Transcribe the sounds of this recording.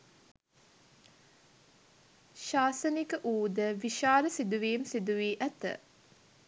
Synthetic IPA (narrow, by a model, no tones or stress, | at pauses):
ʃaːsənikəʔuːd̪əʋiʃaːləsid̪uʋeːmsid̪uʋiːʔæt̪ə̰